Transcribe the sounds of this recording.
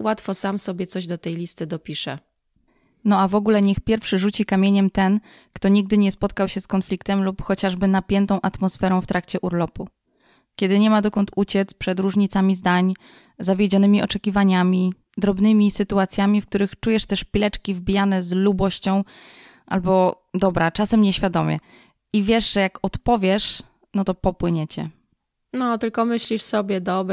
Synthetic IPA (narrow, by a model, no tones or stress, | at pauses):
wat̪fɔsamsɔbʲjɛt̪sɔʑd̪ɔt̪ɛjlʲist̪ɘd̪ɔpʲiʂɛ̰ | nɔavɔɡulɛɲɛxpʲjɛɾfʂɘʐut͡ɕikamʲjeɲɛmt̪ɛn | kt̪ɔɲiɡ̚d̪ɘɲɛspɔt̪̚kawɕɛskɔnflʲikt̪ɛmlupxɔt͡ɕaʐbɘnapʲjɛnt̪ɔ̃w̃ʔat̪mɔsfɛɾɔ̃w̃ft̪ɾʔakt͡ɕɛʔuɾlɔpu | kʲɛd̪ɘɲɛmad̪ɔkɔnt̪ut͡ɕɛt̪spʂɛd̪ɾuʐɲit̪samʲizd̪aɲ | zavʲjɛd͡ʑɔnɘmʲiɔt͡ʂɛkʲivaɲamʲi | d̪ɾɔbnɘmʲisɘt̪uat̪sʲjamʲifkt̪uɾɘxt͡ʂujɛʂt̪ɛʂpʲilɛt͡ʂkʲivbʲijanɛzlubɔɕt͡ɕɔ̃w̃ | ʔa̰lbɔ | d̪ɔbɾat͡ʂasɛmɲɛɕfʲjad̪ɔmʲjɛ̰ | ivʲjɛʐʐɛjakɔt̪pɔvʲjɛʂ | nɔt̪ɔpɔpwɘɲɛt͡ɕɛ̰ | nɔt̪ɘlkɔmɘɕlʲiʂsɔbʲjɛd̪ɔbɾ